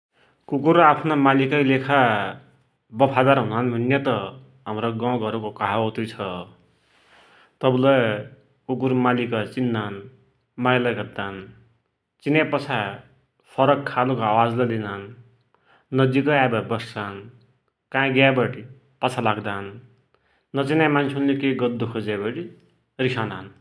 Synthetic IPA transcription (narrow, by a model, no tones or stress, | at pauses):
kukuɾapʰnamalikʌjlekʰa | bʌpʰad̪aɾɦunanbʱʌnjʌt̪ʌ | ɦamɾoɡawɡʌɾukokaɦaot̪ijt͡sʰʌ | t̪ʌblʌj | kuk̬uɾmalikʌt͡sinːan | majlʌjɡʌd̪an | t͡sinapʌt͡sʰa | pʰʌɾʌkʰːalokoawad͡zlʌd̪inanː | ʌd͡zikʌabʌbʌssan | kãɡjabʌʈi | pʌt͡sʰalaɡd̪anː | ʌt͡sinamansʰinlekeɡʌd̪ːukʰod͡zabʌɽi | rikʰanan